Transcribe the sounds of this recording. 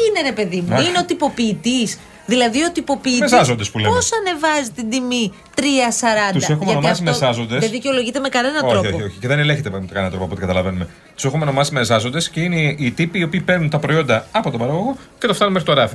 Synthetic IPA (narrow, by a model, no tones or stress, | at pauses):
ine̞ɾe̞pe̞ðimuineo̞t̪ipo̞piːt̪is | ðilɐðio̞t̪ipo̞piːezɐzo̞nd̪espuleposɐne̞vɐzit̪ind̪imi | t̪ɾiɐsɐɾɐnt̪ud̪ɐsexumeɐnomɐsimezɐzo̞nd̪eseðiceo̞lo̞ʝit̪eme̞kɐne̞nɐnoɾoioçioçiceðeneleçet̪ekɐnenɐt̪ɾopɐpot̪ikɐt̪ɐlɐve̞nume | t̪u̥se̞xumeonomɐsimezɐzo̞nd̪esce̞ineit̪ipiːo̞piːpeɾnunt̪ɐpɾo̞io̞nd̪ɐɐpo̞t̪obɐɾɐɣo̞ɣo̞cet̪oft̪ɐnumexit̪oɾɐfi